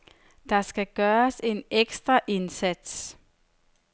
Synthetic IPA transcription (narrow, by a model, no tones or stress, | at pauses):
d̥ɑ̈sɡ̥æɡ̥ɶːɐse̝neɡ̥sd̥ʁɐʔe̝nsæd̥s